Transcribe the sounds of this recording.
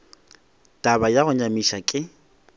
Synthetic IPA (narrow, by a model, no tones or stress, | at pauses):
tʼabajaɣʊɲamiʃakʼɪ